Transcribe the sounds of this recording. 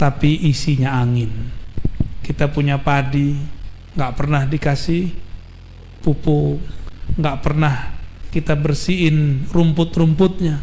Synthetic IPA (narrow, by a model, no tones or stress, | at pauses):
t̪apiʔisiɲaaŋɪn | kit̪apuɲapadi | ŋɡaʔpərnahdikasih | pupʊ | ŋɡaʔpərnahkit̪abərsiɪnrumpʊt̪̚ɾumpʊt̪̚ɲa